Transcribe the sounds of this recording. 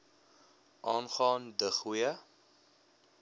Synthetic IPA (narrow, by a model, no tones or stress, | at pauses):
ʔɑːnχɑːndəχiə